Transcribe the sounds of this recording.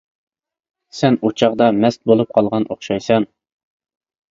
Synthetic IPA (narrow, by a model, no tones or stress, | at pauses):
sɛnut͡ʃʰɑʁd̪ɑmɛst̪̚bolˠup̚qʰɑlˠʁɑnʔoχʃɑjsɑn